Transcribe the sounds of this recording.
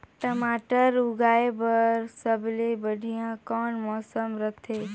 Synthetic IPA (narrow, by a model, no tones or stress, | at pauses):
ʈmaːʈəɾʊɡaːebəɾsəblebəɽʱijãkɔːnmɔːsəmɾət̪ʰe